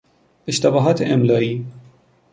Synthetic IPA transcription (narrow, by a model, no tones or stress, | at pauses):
eʃt̪æbɒːɦɒːt̪ʰeʔemlɒːiː